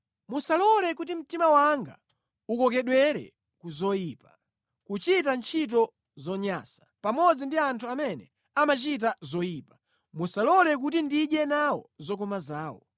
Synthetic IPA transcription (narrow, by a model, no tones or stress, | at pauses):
musalɔlɛkutim̩timawaŋɡa̰ | ukɔk̬ɛɗwɛɾɛ̰ | kuzɔjiːpa | kut͡ʃitant͡ʃʰit̬ɔ | zɔɲa̰sḁpamɔd͡zindiantʰuamɛnɛ̰ | amat͡ʃit̬azɔjiːpḁ | musalɔlɛk̬ut̬indiʄɛnawɔ̰zɔkɔmazaːwɔ̰